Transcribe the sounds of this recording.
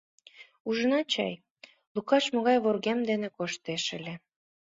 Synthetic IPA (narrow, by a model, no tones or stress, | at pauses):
uʒənɑt͡ɕɑ̰j | lukɑʃmoɣɑjβorɣemd̪enekoʃt̪eʃə̆lʲĕ